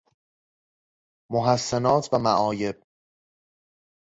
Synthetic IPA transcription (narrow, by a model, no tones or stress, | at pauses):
moɦæsːenɒːt̪ʰvæmæʔɒːje̞b̥̚